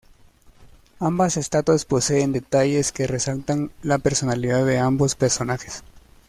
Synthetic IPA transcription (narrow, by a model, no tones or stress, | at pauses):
ambase̞st̪at̪waspo̞se̞ːnd̪e̞t̪aʝe̞ske̞re̞salt̪anlape̞ɾso̞naliðaððe̞ambo̞spe̞ɾso̞naxe̞s